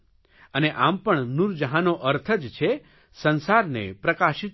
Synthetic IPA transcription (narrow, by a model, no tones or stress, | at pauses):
əneʔampəɳnuɾd͡ʒəɦanoʔəɾt̪ʰəd͡ʒt͡ʃʰe | sənsaɾnḛpɾəkaʃit̪